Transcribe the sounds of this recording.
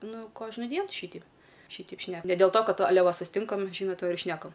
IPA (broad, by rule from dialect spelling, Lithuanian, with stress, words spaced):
ˈnʊ ˈkoːʒnʊdʲiɛn ˈʃʲiːtʲɛɪp ˈʃʲiːtʲɛɪp ˈʃʲnʲɛ nʲɛ dʲɛlˠ toː ˈkɐt ɐˈlʲɛ sʊsʲɪˈtʲɪŋkɐm ˈʒʲiːnoːt ˈʋɐ ɪr ˈʃʲnʲæːkɐm